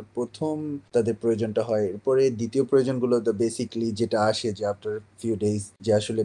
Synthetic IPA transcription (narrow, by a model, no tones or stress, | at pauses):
pɾot̪ʰomt̪ad̪eɾpɾojod͡ʑonʈaɦɔeeɾpɔɾed̪it̪iopɾojod͡ʑonɡulot̪abesiklid͡ʑeʈaaʃed͡ʑeafʈaɾfjuɖejsd͡ʑeaʃole